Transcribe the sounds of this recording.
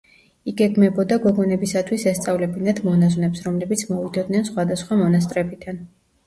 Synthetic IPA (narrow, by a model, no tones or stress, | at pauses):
iɡɛɡmɛbɔd̪aɡɔɡɔnɛbisat̪ʰwisɛst̪sʼavlɛbinad̪mɔnaznɛpsɾɔmlɛbit̪sʰmɔvid̪ɔd̪nɛnsχwad̪asχwamɔnas̬t̪ʼɾɛbid̪an